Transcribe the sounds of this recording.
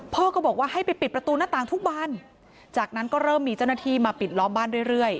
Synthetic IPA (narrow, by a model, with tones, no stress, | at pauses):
pʰɔː˥˩kɔː˥˩bɔː˨˩k̚waː˥˩ha˥˩jpa˧jpi˨˩t̪pɾa˧t̪uː˧naː˥˩t̪aː˨˩ŋt̪ʰu˦˥k̚baː˧˥˩n | t͡ɕaː˨˩k̚na˦˥nkɔː˥˩ɾɤː˥˩mːiː˧t͡ɕa˥˩wnaː˧˥t̪ʰiː˥˩maː˧pi˨˩t̪̚lɔː˦˥mbaː˥˩nɾu˥˩əjɾɯ˥˩əj